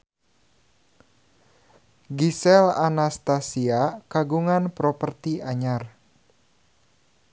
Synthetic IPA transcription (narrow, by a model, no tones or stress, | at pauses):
ɡisɛlanast̪asiakaɡuŋanpɾɔpərt̪iaɲar